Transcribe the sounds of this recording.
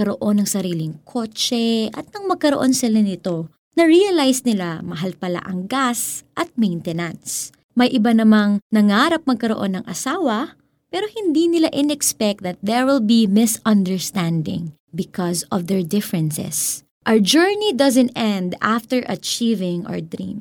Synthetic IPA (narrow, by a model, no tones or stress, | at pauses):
kɐɾoʔo̞nːɐŋsɐɾiːlɪŋkʰo̞t͡ʃɛʔɐt̪̚nɐŋmɐɡ̚kɐɾoʔo̞nsɪlanɪt̪o̞ | nɐɹiɐlajsnɪlamɐɦalpɐla̰ʔɐŋɡasʔɐt̪̚mɛjnt̪ɛnans | mɐjʔɪbanɐmaŋnɐŋaɾɐp̚mɐɡ̚kɐɾoʔo̞nːɐŋʔɐ̰saːwɐ | pɛːɾohɪnd̪inɪlaʔɪnɛkspɛk̚t̪̚d̪ɐt̪̚ðɛɹwɪlbimɪsɐ̃nd̪ɛɹst̪ãnd̪ɪ̰̃ŋ | bɪkɔsɔfd̪ɛɹd̪ɪfɹɛnsɛ̰s | ʔawɹd͡ʒɛɹnid̪ɐzɛ̃nt̪ʔɛ̃nd̪aft̪ɛɹʔɐt͡ʃiːvɪŋʔɔ̰ɹd̪ɾḭ̃m